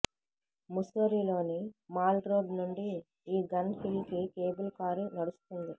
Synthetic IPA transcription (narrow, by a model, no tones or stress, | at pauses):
musoːɾilo̞ːnimaːlɾoːɖnuɳɖiː | ɡɐnhilkikeːbulkaːɾinɐɽust̪und̪i